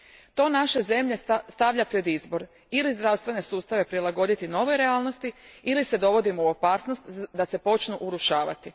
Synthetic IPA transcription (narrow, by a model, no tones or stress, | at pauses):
t̪o̞ːnaʃe̞ze̞mʎe̞st̪aʋʎapɾe̞d̪izbo̞ɾ | ilizd̪ɾawst̪ʋe̞ne̞suːst̪aʋe̞pɾilˠaɡo̞d̪it̪ino̞ʋojɾe̞aːlˠno̞st̪iilise̞d̪o̞ʋo̞d̪imouo̞paːsno̞st̪d̪ase̞po̞t͡ʃnuʔuɾuʃaːʋa̰t̪i